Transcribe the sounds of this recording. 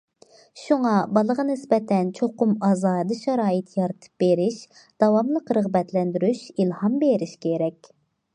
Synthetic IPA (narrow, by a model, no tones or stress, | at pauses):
ʃuŋɑbɑlˠəʁɑnɪsbɛt̪ʰɛnt͡ʃʰoqʊmɑzɑːd̪ɨʃɛɾɑːjɨt̪jɑɾɨt̪ʰɨ̥p̚beɾɪʃ | d̪̥ɑwɑmlˠəqɾəʁbɛt̪ʰlɛnd̪yɾyʃilˠhɑmbeɾɪʃkʲʰeɾɛkʲ